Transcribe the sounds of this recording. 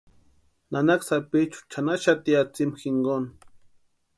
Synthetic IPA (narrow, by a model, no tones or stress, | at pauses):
nanaksapit͡ʃu̥t͡ʃʰanaʃat̪iat͡simxɪŋɡon